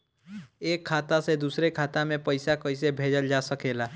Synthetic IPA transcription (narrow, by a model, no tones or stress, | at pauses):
eːkʰːaːt̪ased̪usɾekʰaːt̪amẽpəɪsakəɪsebʱeːd͡ʒəld͡ʒasəkeːla